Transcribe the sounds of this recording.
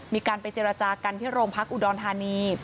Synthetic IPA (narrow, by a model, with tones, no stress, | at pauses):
miː˧kaː˧npa˧jt͡ɕeː˧ɾa˧t͡ɕaː˧ka˧nt̪ʰiː˥˩ɾoː˧mpʰa˦˥k̚ʔu˧dɔː˧nt̪ʰaː˧niː˧